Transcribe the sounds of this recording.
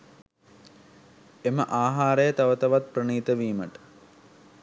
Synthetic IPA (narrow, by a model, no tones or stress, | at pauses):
eməʔaːɦaːɾəjət̪ɐʋət̪ɐʋat̪̚prəɳiːt̪əʋiːməʈə̥